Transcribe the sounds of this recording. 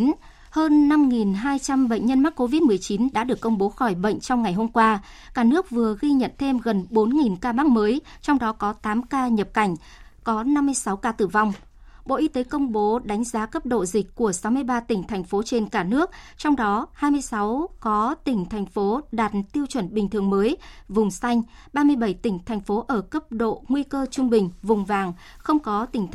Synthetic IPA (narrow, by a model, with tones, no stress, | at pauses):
həː˧nːa˧mŋi˨˩nɦaː˧jt͡ɕa˧mɓə̰˧˨ŋ̟ɲə˧nma˦˥k̚ko˧vi˦˥t̚mɨ˨˩əjt͡ɕi˨˦nɗa̰ː˧˥ɗɨ˨˩əkːə˧wŋ͡mɓo˨˦xɔ˧˩jɓə̰˧˨jŋ̟t͡ɕɔ˧wŋ͡mŋa˨˩jɦo˧mkwaː˧ | kaː˧˩nɨ˦˥ək̚vɨ˨˩əɣi˧ɲə̰˧˨nt̪ʰe˧mɣə˨˩nɓo˨˦nŋi˨˩nkaː˧maː˦˥k̚məː˨˦j | t͡ɕɔ˧wŋ͡mɗɔ˨˦kɔ˨˦t̪aː˨˦mkaː˧ɲə˨˩p̚ka˧˩jŋ̟ | kɔ˨˦na˧mːɨ˧əjsa˨˦wkaː˧t̪ɨ˨˩va˧wŋ͡m | ɓo̰˧˨ʔi˨˧t̪e˨˦kə˧wŋ͡mɓo˨˦ɗa˨˦jŋ̟zaː˨˦kə˦˥p̚ɗo̰˧˨zï˨˩k̟̚ʲku˧˩əsa˨˦wmɨ˧əjɓaː˧t̪ï˧˩ŋ̟t̪ʰa˨˩jŋ̟fo˨˦t͡ɕe˧nkaː˧˩nɨ˦˥ək̚t͡ɕɔ˧wŋ͡mɗɔ˨˦haː˧jmɨ˧əjsa˨˦wkɔ˨˦t̪ï˧˩ŋ̟t̪ʰa˨˩jŋ̟fo˨˦ɗaː˨˩t̚t̪i˧əwt͡ɕwə˧˩nɓï˨˩ŋ̟t̪ʰɨ˨˩əŋməː˨˦jvʊ˨˩ŋ͡msa˧jŋ̟ | ɓaː˧mɨ˧əjɓə˧˩jt̪ï˧˩ŋ̟t̪ʰa˨˩jŋ̟fo˨˦ʔəː˧˩kə˦˥p̚ɗo̰˧˨ŋwi˧kəː˧t͡ɕʊ˧ŋ͡mɓï˨˩ŋ̟vʊ˨˩ŋ͡mvaː˨˩ŋ | xə˧wŋ͡mkɔ˨˦t̪ï˧˩ŋ̟